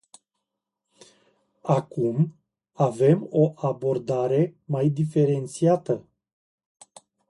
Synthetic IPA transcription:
akum | ave̞mo̞ʔabo̞rd̪aɾe̞majd̪ife̞ɾe̞nt̪siat̪ə

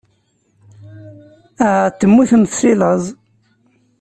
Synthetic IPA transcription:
æt̪ːəmːiθənθsiləzˤ

